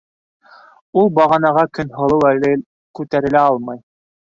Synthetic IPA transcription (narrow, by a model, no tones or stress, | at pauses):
ulˠbɑʁɑnɑʁɑkɵnɦŏlˠɤwælɘ | kʉt̪æɾɘ̆læɑlˠmɑj